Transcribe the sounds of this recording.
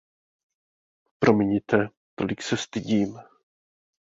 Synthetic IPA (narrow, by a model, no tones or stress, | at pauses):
pɾo̞mɪɲɪt̪ɛ | t̪o̰lɪksɛst̪ɪɟiːm